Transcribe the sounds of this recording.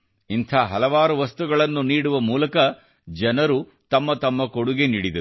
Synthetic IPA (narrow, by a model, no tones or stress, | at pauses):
int̪ʰaːɦɐlɐʋaːɾuʋɐst̪uɡɐɭɐnːuniːɽuʋɐmuːlɐkɐ | d͡ʒɐnɐɾu | t̪ɐmːɐt̪ɐmːɐkoɽuɡeniːɽid̪ɐ